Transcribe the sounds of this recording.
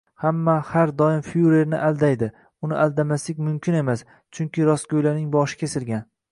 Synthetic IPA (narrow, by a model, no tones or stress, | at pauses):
hamːahaɾd̪ɒɪmfjuɾe̞ɾnɪ̰ʔalˠd̪ajd̪ɪ | ʊnɪʔalˠd̪amaslɪkʲmʊmkʲʰɪne̞mas | t͡ʃʰʊŋkʲɪɾɒsɡojlanɪŋbɒʃɪ̥kʲʰesɪlɡʲan